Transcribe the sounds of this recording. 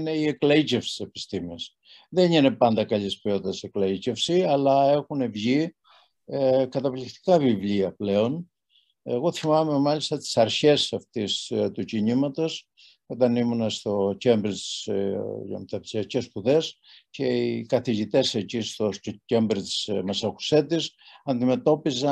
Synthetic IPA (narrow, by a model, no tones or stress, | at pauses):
ne̞ie̞klɐicefsi̥se̞pi̥st̪imis | ðenine̞pɐnd̪ɐkɐʎispio̞t̪d̪ɐse̞klɐice̞fsiɐlɐe̞xune̞vʝi | ekɐt̪ɐplikt̪i̥kɐvivʎiɐple̞o̞n | e̞ɣo̞θimɐme̞mɐʎist̪ɐt̪i̥sɐɾçe̞sɐft̪ist̪uciɲimɐt̪o̞s | o̞t̪ɐnimunɐst̪o̞ce̞mbɾit̪i̥s | mt̪ɐpsiɐcespuðe̞s | ce̞ikɐθiʝit̪e̞secist̪osce̞mbɾit̪i̥smesɐku̥se̞t̪isɐnd̪ime̞t̪o̞pizɐ